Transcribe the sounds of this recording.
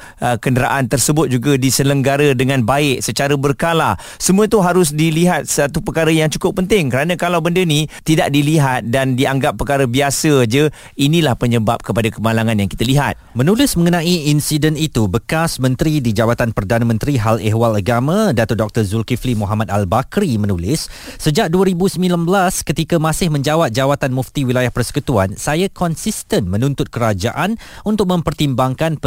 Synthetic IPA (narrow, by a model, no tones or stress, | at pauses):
əkəndəɾa̰ʔant̪ərsəbʊt̪̚d͡ʒuɡadisələŋɡaɾədəŋãnbaɪʔsət͡ʃaɾəbərkala | səmuət̪uɦaɾʊs̬diliɦat̪̚sat̪upəkaɾəjaŋt͡ʃu̥kʊpːənt̪ɪŋkəɾanãkalawbəndənit̪idaʔ̚diliɦat̪̚dandiaŋɡapːərkaɾəbiasəd͡ʒə | inĩlahpəɲəbap̚kəpadakəmalaŋãnjaŋkit̪aliɦat̪̚mənulɪsməŋənãiinsidənit̪ubəkasmə̃nt̪ɾidid͡ʒawat̪anpərdanamə̃nt̪ɾiɦaleɦwalaɡamãdat̪ʊrdɔk̚t̪ərzulkiflimuɦamat̪albakɾimə̃nulɪsːəd͡ʒak̚duəɾibusəmĩlanbəlaskət̪ikamãsɪhmə̃ɲd͡ʒawap̚d͡ʒawat̪anmũft̪iwilajahpərsə̥kut̪uansajakɔnsist̪ənmə̃nũnt̪ʊt̪̚kəɾad͡ʒa̰ʔanunt̪ʊk̚mə̃mpərt̪imbaŋkan